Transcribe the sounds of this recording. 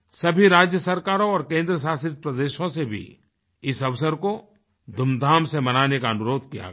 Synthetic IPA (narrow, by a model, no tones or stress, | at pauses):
sɐbʱiɾaːd͡ʒjəsɐɾkaːɾõɔːɾkẽːnd̪ɾəsaːsɪt̪̚pɾɐd̪eːʃõsebʱḭ | ɪsɐʋsəɾko | d̪ʱʊmd̪ʱaːmsemɐnaːnekaɐnʊɾoːd̪̚ʱkija̰ɡ